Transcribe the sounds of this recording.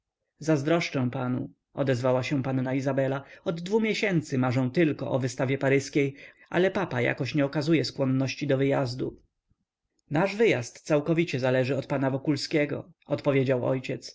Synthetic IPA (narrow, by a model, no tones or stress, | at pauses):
zazd̪ɾɔʂt͡ʂɛ̃w̃panṵ | ɔd̪ɛzvawaɕɛ̃panːaizabɛlaɔd̪ːvumʲjɛɕɛnt̪sɘmaʐɛ̃w̃t̪ɘlkɔ̰ʔɔvɘst̪avʲjɛpaɾɘskʲej | ʔa̰lɛpapaja̰kɔɕɲɛɔkazujɛskwɔnːɔɕt͡ɕid̪ɔvɘjazd̪u | naʐvɘjast̪sawkɔvʲit͡ɕɛzalɛʐɘɔt̪̚panavɔkulskʲɛɡɔ̰ɔt̪pɔvʲjed͡ʑawɔ̰jt͡ɕɛt̪s